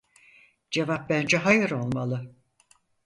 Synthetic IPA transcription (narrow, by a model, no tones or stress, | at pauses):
d͡ʒe̞vap̚bænd͡ʒɛɦajɯɾo̞lˠmalˠɯ